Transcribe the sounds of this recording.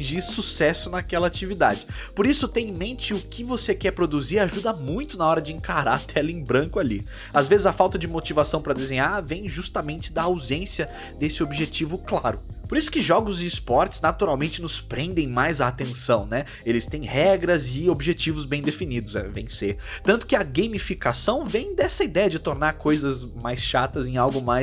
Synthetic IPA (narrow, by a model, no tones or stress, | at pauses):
ĩʒiɾsusɛsʊnakɛlɐat͡ʃivid̪a̰d͡ʒɪpoɾisʊt̪ẽj̃mẽnt͡ʃɪʊkʰɪvosekɛɾpɾod̪uziɾaʒud̪ɐmũj̃t̪ʊnɐɔɾɐd͡ʒɪẽŋkaɾa̰t̪ʰɛlẽj̃bɾɐ̃ŋkʊalḭ | azvezɪzɐfawt̪ɐd͡ʒɪmot͡ʃivasɐ̃w̃pɾɐd̪ezẽɲavẽj̃ʒust̪ɐmẽnt͡ʃɪd̪ɐawzẽsiɐ | d̪esɪobʒet͡ʃivʊklaɾʊ | poɾisʊ̥kɪʒɔɡʊzɪːspɔɾt͡ʃɪ̥znat̪uɾawmẽnt͡ʃɪnʊspɾẽnd̪ẽj̃majzaːt̪ẽsɐ̃w̃nɛ | elɪst̪ẽj̃hɛɡɾɐzɪobʒet͡ʃivʊzbẽj̃d̪efinid̪ʊzɛ̰vḛ̃j̃set̪ɐ̃t̪ʊ̥kɪɐɡejmifikasɐ̃w̃vẽj̃d̪ɛsɐid̪ɛjɐd͡ʒɪt̪oɾnaɾkʰojzɐzmajsʃat̪ɐzẽawɡʊmaj